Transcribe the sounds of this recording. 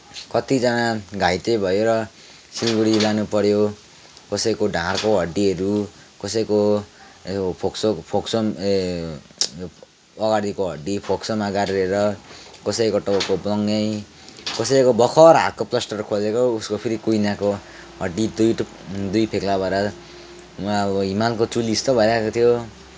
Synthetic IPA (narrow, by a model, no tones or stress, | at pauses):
kʌt̪id͡zʌnaɡʱajt̪ejbʱʌjoɾʌ | silɡuɽilanupʌɾjo | kʌsʌikoɖʱãrkoɦʌɖiʌɾu | kʌsʌjko | pʰoksopʰoksom | ʌɡaɽikoɦʌɖipʰoksomaɡaɾɾeɾʌkʌsʌjkoʈʌbokoblʌŋʌj | kʌsʌikobʱʌkʰʌɾɦa̰t̚koplʌsʈʌrkʰod͡zekouskopʰiɾikujnako | ɦʌɖːid̪ujʈ | d̪ujpʰeklabʌɾʌ | ʌɦimalkot͡sulist̪ʌbʱʌjɾakot̪ʰijo